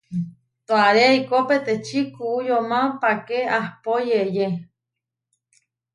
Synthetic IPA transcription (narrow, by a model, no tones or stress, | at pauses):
t̪oaɾeikopet̪et͡ʃʰikuʔujomãpakeahpojeje